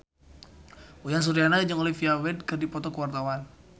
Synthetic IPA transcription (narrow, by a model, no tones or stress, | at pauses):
ujaŋs̬uɾianaad͡ʒəŋolifiawɛdkərdipɔt̪ɔkəwart̪awan